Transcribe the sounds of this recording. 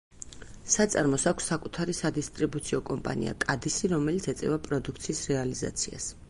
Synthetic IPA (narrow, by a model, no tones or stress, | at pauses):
sat̪sʼaɾmɔsakʰʷsːakʼut̪ʰaɾisad̪ist̪ʼɾibut̪sʰiɔkʼɔmpʼa̰nḭa̰kʼad̪isiɾɔmɛlit̪sʰɛt̪sʼɛvapʼɾɔd̪ukʰt̪sʰiːsɾɛaliza̰t̪sʰia̰s